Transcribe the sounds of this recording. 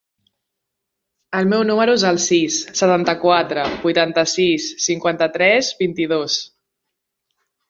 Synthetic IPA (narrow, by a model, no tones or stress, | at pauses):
əlˠmɛwnuməɾuezəlˠsisːət̪ant̪əkwat̪ɾəbujt̪ant̪əsisːiŋkwant̪ət̪ɾɛzbint̪iðos